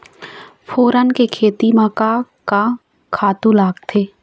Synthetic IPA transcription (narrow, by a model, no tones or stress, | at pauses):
pʰoːɾənkekʰeːt̪imaːka | ka | kʰaːt̪ũlaːɡt̪ʰeː